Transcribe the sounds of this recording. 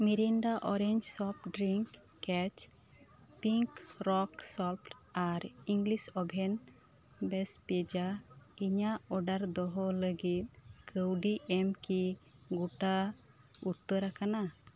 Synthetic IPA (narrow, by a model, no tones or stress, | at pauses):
miɾinɖaʔɔɾeɲd͡ʒsɔp̚ɖɾiŋkː | ɛt͡ʃ | piŋkɾɔksɔpʈaɾiŋɡlisɔbʱɛn | bɛspɛd͡ʒa | iɲaɔɖaɾd̪ɔɦɔləɡit̪̚kʰəwɖiʔɛmkiɡuʈa | ut̪ːəɾakana